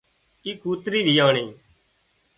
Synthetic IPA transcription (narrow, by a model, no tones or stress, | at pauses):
iːkuːt̪ɾiːʋʱiːjaːɳiː